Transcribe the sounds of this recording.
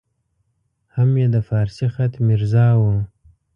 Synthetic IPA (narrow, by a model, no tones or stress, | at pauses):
hamjed̪əfɑːɾsixat̪miɾzɑːwu